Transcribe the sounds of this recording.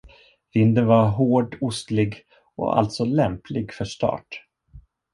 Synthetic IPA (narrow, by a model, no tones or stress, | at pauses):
vɪnd̪ənvaɾɦoːɖʊst̪lɪɡ | ɔ̰a̰lt̪sɔlɛmplɪɡfœʂʈɑ̰ːʈ